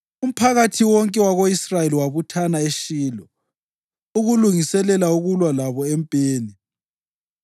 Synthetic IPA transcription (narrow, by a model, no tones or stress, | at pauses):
um̩pʰaɣatʰiwɔŋkʼɛwaɣoisrajeliwaβutʰanaeʃiːlɔ | uɣuluŋisɛlɛlauɣulwalaβɔɛmpʼeːni